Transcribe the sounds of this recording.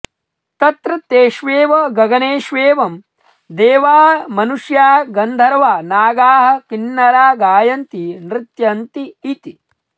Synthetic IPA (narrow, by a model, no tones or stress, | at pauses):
t̪ɐt̪ɾɐt̪eːʃʋeːʋɐɡɐɡɐneːʃʋeːʋɐm | d̪eːʋaːɦɐmɐnuʃjaːɦɐɡɐnd̪ʱɐɾɐʋaːnaːɡaːɦɐ̆kinːɐɾaːɡaːjɐnt̪inɾɪt̪jɐnt̪iːt̪i